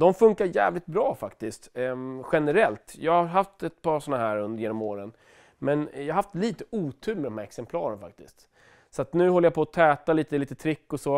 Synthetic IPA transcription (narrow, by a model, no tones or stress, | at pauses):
d̪ɔmfɵŋkaɾjæ̰ːvlɪt̪̚bɾɑːfakt̪ɪst̪ɧɛnəɾɛlt̪jɑ̰ːɡaɦaft̪ɛt̪pʰɑːʂɔnːaɦæːɾɵnd̪əjeːnɔmoːɾən | mɛnjɑaɦaft̪liːt̪əʔuːt̪ʰʉ̟ːlmɛd̪ɔmhæɾɛksɛmpʰlɑːɾənfa̰k̚t̪ɪ̰st̪ | sɔat̪nʉ̟ːhɔlːəjapʰɔːt̪ʰɛːt̪aliːt̪əliːt̪ət̪ʰɾɪkːɔsɔ